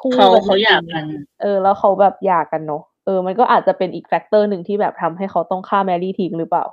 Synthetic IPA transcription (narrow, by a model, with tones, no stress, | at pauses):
kʰuː˥kʰa˥˩a˧˩kʰa˦˥wja˧˨˩ŋa˧nʔɤː˧˩lɛː˦˥wxʰa˦˥wbɛː˨˩p̚jaː˨˩kːa˧nːɔ˦˥ | ʔɤː˧ma˧nk̬ɔː˥˩ʔaː˨˩t̪̚t͡ɕa˨˩pe˧nʔiː˨˩k̚fɛ˦˥k̚t̪ɤː˥˩nɯ˨˩ŋt̪ʰiː˥˩bɛː˨˩p̚t̪ʰa˧mɦa˥˩jkʰa˦˥wt̪ɔ˥˩ŋkʰaː˥˩mɛː˧liː˥˩t̪ʰiː˧˥ŋɾɯː˦˥paː˨˩w